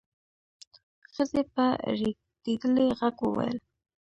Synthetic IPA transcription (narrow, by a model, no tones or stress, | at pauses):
xəzepəɾi | d̪ed̪əleɣaɡwəwa̰jə̰l